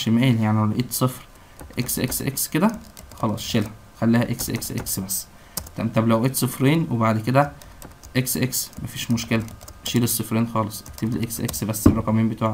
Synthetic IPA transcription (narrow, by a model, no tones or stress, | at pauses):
ʃemæːljaʕnihæʔeːt̪sˤefɾ | ʔeksʔḛksʔḛksked̪æ | xɑlɑːsˤʃelhæ | xælːiːhæʔeksʔḛksʔḛksbæsː | t̪æbt̪ɑblæwʔeːt̪sˤofɾeːnwebaʕd̪ked̪æ | ʔeksʔeksmæfiːʃmoʃkelæʃiːlesˤːofɾeːnxɑːlesˤkt̪eblḭʔḛksʔḛksbæsːeɾˤɑkɑmeːmbet̪aːʕæ